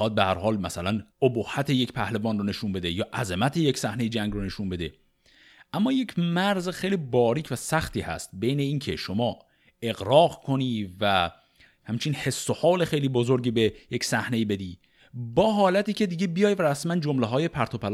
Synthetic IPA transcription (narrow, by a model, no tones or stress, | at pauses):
ɒːd̪̚behæɾhɒːlmæsælænobohːæt̪ʰejecpʰæhlevɒːnrone̞ʃunbe̞d̪ejɒːʔæzemæt̪ʰejecsæhnejid͡ʒæŋɡrone̞ʃunbe̞d̪e̞ | ʔæmːɒːje̞cʰmæɾzexejliːbɒːɾiːcʰvæsæxt̪iːhæ̰st̪̚be̞jne̞iːncʰe̞ʃo̞mɒː | e̞ɣɾɒːɣkʰo̞niːvæ | hæmt͡ʃʰinhe̞sːohɒːle̞xejliːbozoɾɟiːbejecsæhne̞iːbe̞d̪iː | bɒːɦɒːlæt̪iːcʰe̞d̪iɟe̞bijɒːjvæɾæsmænd͡ʒomleɦɒːje̞pʰæɾt̪ʰo̞pʰæl